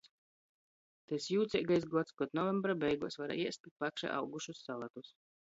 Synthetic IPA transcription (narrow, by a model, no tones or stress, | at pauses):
t̪ɛsjuːt̪sʲɛɡajs̬ɡuɔt̪skɔt̪nɔvɛmbɾabɛjɡuɔsvaɾa̰iɛst̪it̪̚pakʃa̰ʔa̰wɡuʃusːalˠat̪us